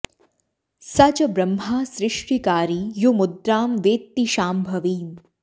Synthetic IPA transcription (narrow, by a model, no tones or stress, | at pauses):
sɐt͡ʃɐbɾɐmɦaːsɾɪʂʈʰikaːɾijumud̪ɾaːmʋeːt̪ːiʃaːmbʱɐʋiːn